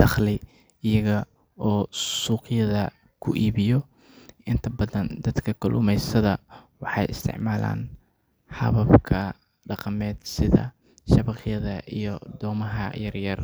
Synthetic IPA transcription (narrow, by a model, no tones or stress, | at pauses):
d̪̥ɑχlɪ | ɪjɐɣɐ | ɔːsuːqjɐðɐ | kʰʊʔiːβɪjɔ | ʔɪnt̪ʰɐbɐðɐnd̪ɐd̪kʰɐkʰʊlʔʊ̰mɛjsɐðɐwɑħɑjɪ̰st̪ʰɪ̰ʕmaːla̰ːn | hɑ̰βɐbkʰɐ | ɖɑqɑmɛːd̪̥sɪðɐ̰ | ʃɐβɑqjɐðɐʔijɞd̪ɔːmɐɦɐjɐrjɐr